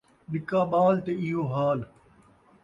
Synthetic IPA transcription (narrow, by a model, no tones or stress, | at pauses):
ɗɪkaːɓaːlt̪eɪɦoːɦaːl